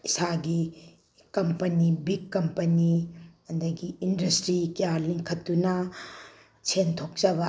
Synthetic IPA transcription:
isaɡi | kɐmpɐnibiɡkːɐmpɐniɐnd̪ɐɡiːndɐstɾikijaliŋkʰɐtːunɐ | t͡ʃʰentʰok̚d͡ʒɐbɐ

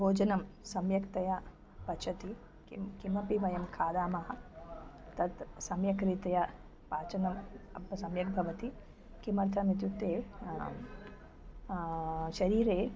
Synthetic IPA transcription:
bʱoːd͡ʒɐnɐmsɐmjɐkt̪ɐja | pɐt͡ʃʰɐt̪i | kikimɐpiʋɐjɐmkʰaːd̪aːmɐɦɐ̆ | t̪ɐt̪sɐmjɐkɾit̪ɐjɐ | paːt͡ʃɐnɐmɐpɐsɐmjɐk̚bʱɐʋɐt̪i | kimɐɾt̪ʰɐmit̪̬jut̪eː | ʃɐɾiːɾeː

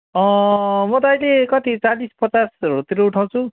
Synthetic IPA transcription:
ʌ̃mʌd̪ajlekʌt̪it͡salispʌt͡sasrot̪iɾouʈʰaw̃t͡sʰu

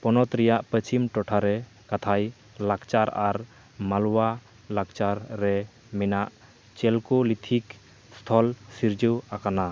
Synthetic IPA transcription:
pɔnɔt̪ɾɛjaʔpət͡ʃimʈɔʈʰaɾɛ | kat̪ʰaj | lakt͡ʃaɾaɾ | malwa | lakt͡ʃaɾːɛ | mɛnaʔ | t͡ʃɛlkɔlit̪ʰik | st̪ʰɔlsiɾd͡ʒəwakana

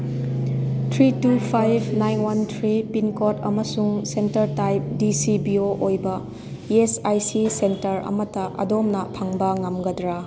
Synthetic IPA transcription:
tʰɾitupʰajbʱnajnwantʰɾipinkotɐmɐsuŋsentɐɾtajp̚disibioʔojbɐ | esajsisentɐɾɐ̰mɐtɐʔɐ̰domnɐpʰɐŋbɐŋɐmɡɐdɾa

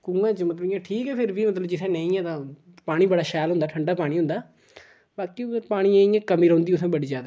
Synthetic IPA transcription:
kũːɡãːt͡ʃmət̪lbjãːʈʰiːkɛːpʰɪɾbiːmət̪ləbd͡ʒɪt̪ʰɛ̃ːnẽːĩːɛ̃ːt̪ãː | paːɽ̃ĩːbəɽaːʃɛːlɦʊ̃nd̪aːʈʰəɳɖaːpaːɽ̃iːɦʊ̃nd̪aː | baːkiːpaːɽ̃iːẽːĩɛ̃ːkəmiːɾə̃ːnd̪iːʊt̪ʰãːbəɽiːd͡ʒaːd̪a

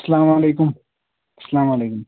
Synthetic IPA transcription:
sɐlaːmaleːkʊm | ɐsɐlaːmaleːkʊm

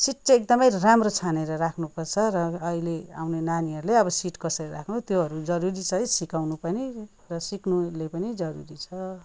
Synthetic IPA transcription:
siʈ̚t͡seek̚d̪ʌmʌjramrot͡sʰaneɾʌɾakʰnupʌrt͡sʰʌɾʌːɦilea̰wnenaniɦʌɾuleʌbʌsiʈkʌsʌɾirakʰnut̪joɦʌɾud͡zʌɾuɾit͡sʰʌjsikawnupʌni | rʌsiknulepʌnid͡zʌɾṵɾit͡sʰʌ

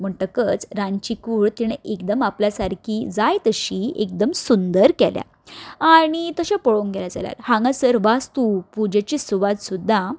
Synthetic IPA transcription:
m̤əɳʈəkət͡sɾãɲt͡ɕikuːɭt̪iɽ̃ekd̪əmapljasaɾkʰid͡zajt̪əɕiek̚d̪əmsund̪əɾkɛlja̰ | aɽ̃it̪əɕapɔɭoŋɡɛlad͡za̰lja̰ɾhãŋɡasəɾʋast̪upud͡ʑet͡ɕisuʋad̪sud̪ʱːa

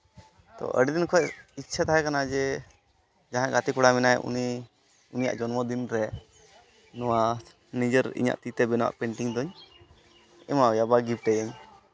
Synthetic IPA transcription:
t̪ɔ̰ʔə̰ɖid̪inkʰɔɛitːt͡ʃʰat̪aɦɛkanad͡ʒɛ | d͡ʒaɦãʔɡat̪ikuɽamɛnajṵni | unija̰ʔd͡ʒɔnmɔd̪inɾɛ | nɔwa | nid͡ʒəɾḭɲa̰ʔt̪it̪ɛbɛnɔwa̰ʔpɛɳʈiŋd̪ɔɲ | ɛmajabaɡip̚ʈɛjəɲ

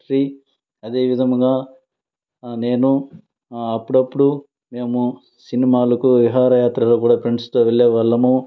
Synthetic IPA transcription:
ɾiː | ɐd̪e̞ːʋid̪ʱɐmɡaː | ne̞ːnu | ɐpːuɽɐpːuɽu | me̞ːmu | sinimaːlɐkuʋiɦaːɾɐjaːt̪ɾɐloːkuːɽaːpʰeɳɖst̪oːʋeɭːeːʋɐɭːɐmu

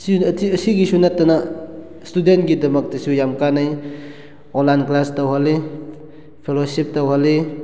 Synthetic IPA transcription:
sitiɐsiɡisunatːɐna | studentɡidɐmɐk̚tɐsujamkanaj | ɔnlanklastawɦale | pʰelosip̚tɐwɦale

